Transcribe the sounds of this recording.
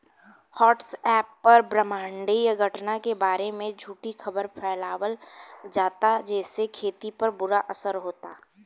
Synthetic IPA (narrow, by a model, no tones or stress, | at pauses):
hɔːʈsɛːpːɐɾbɾəmãːɳɖijɡʱəʈnakebaːɾemẽd͡ʒʱuːʈixɐbəɾpʰɛːlaːwəld͡ʒaːt̪ad͡ʒɛːsekʰeːt̪ipɐɾbʊɾaʔɐsəɾɦoːt̪aː